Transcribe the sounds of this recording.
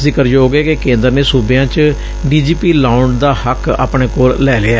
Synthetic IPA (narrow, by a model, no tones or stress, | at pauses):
zɪkəɾjoːɡeːkekẽːnd̪əɾneːsuːbejãːt͡ʃ | ɖiːd͡ʒiːpiːlaːʊɳɖd̪aːhəka̰ːpɳeːkoːllɛːleaː